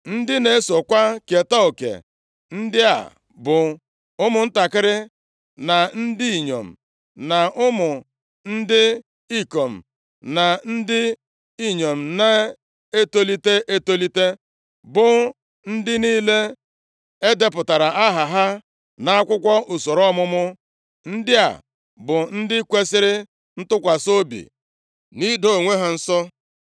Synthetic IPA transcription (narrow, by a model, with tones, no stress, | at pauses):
n̩˦dɪ˦ne˨e˦so˨kʷa˦ke˨ta˦o˨kḛ˨ | n̩˦dɪ˦a̰˨ | bʊ˨ | ʊ˦mʊ˨n̩˦ta˨kɪ˦ɾɪ˦ | na˨n̩˦dɪ˦i˨ɲo̰˨m̩̰˨ | na˨ʊ˦mʊ˨ | n̩˦dɪ˦ | i˦ko˨m̩˨ | na˨n̩˦dɪ˦ | i˦ɲo˨m̩˨na˦ | e˦to˦li˦te˦ʔe˦to˦li˦te˦ | bʊ˨ | n̩˦dɪ˦niː˦le˦ | e˦de˦pʊ˨ta˨ɾa˨ʔa˦ɦa˨ɦa˦ | na˨˦a˦kʷʊ˦kʷɔ˦ʔu˨so˨ɾɔ˦mʊ˦mʊ˦ | n̩˦dɪ˦a̰˨ | bʊ˨n̩˦dɪ˦kʷe˦sɪ˦ɾɪ˦ | n̩˦tʊ˦kʷa˨so˦bḭ˨ | ni˦do˨o˨ŋʷe˦ɦa˨n̩˦sɔ˦